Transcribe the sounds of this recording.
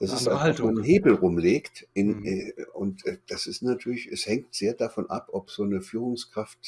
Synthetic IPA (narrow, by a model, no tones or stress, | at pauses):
d̥asɪstaoːnheːbl̩ʁʊmleːktɪnːʊntɛːd̥asɪstnatʰyːɐlɪçɛshɛŋtz̥eːɐdafɔnʔa̰pʔɔpz̥oːnəfyːʁ̞ʊŋskʁ̥aft